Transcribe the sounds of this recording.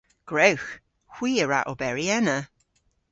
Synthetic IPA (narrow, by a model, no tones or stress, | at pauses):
ɡ̥ɹewx | hw̥iːəɹa̰ʔobɛɹiɛnə